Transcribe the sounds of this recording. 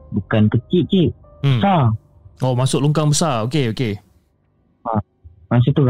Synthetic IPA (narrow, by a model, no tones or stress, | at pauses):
bukankət͡ʃiʔ̪̚t͡ʃiʔ̚ | b̩əsa | omasʊk̚luŋkaŋbəsaokeoke | a | mas̬ut̪u